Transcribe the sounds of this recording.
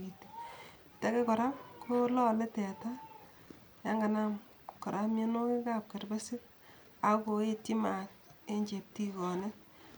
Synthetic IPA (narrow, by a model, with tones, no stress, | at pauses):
i˨ti˨ | tɛ˦kɛ˦kɔ˨ɾa˦mkʰo˦lɔ˦lɛ˦tɛ˨ta˦ | ja˦ŋɡa˨na˦m | kɔ˨ɾʔa˦me˦no˦kɪ˦ka˦p̚kɛ˨rbɛ˦sɪ˦k̚ | a˨ko˨e˦ti˦ma˨k̚ | e˦ɲd͡ʒe˨p̚ti˦kɔ˨ne˦